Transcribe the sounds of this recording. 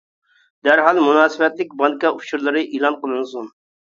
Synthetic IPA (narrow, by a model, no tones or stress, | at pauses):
d̪̥æɾɦɑlˠmunɑːsɨbɛt̪lɪk̚ʲbɑŋkɑʔut͡ʃʰuɾlˠɨɾɨʔilˠɑnqəlˠɨnsun